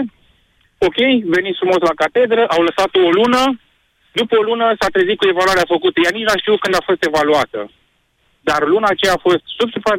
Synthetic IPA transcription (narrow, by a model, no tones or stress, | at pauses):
o̞kʲe̞jve̞nit̪sfɾumo̞slakat̪e̞d̪ɾəʔawləsat̪oːlunə | d̪upəolunəsat̪ɾezit̪kue̞valuaɾeafəkut̪əjanit͡ʃnaʃt̪iukɨnd̪afo̞st̪e̞valuat̪ə̰ | d̪arlunaːt͡ʃejaːfo̞st̪subsupa